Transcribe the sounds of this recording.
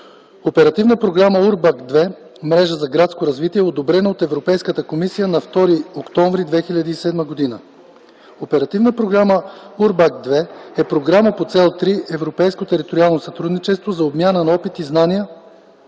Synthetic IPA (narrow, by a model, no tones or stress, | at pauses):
opɛɾɐt̪ivnəpɾoɡɾaməuɾbakd̪vɛ | mɾɛʒəzɐɡɾat̪skoɾɐzvit̪iɛod̪obɾɛnəot̪ɛvɾopɛjskət̪əkomisijənɐft̪ɔɾiokt̪ɔɱvɾid̪vɛxilʲɐd̪iːsɛd̪məɡod̪inə | opɛɾɐt̪ivnəpɾoɡɾaməuɾbakd̪vɛɛpɾoɡɾaməpot̪sɛlˠt̪ɾiʔɛvɾopɛjskot̪ɛɾit̪oɾialˠnosɐt̪ɾud̪nit͡ʃɛst̪vozɐobmʲjanənɐɔpit̪iznanijə